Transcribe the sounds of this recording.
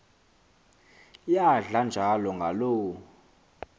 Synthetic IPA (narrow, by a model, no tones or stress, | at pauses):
jaɮand͡ʒʱalɔŋɡʱaloː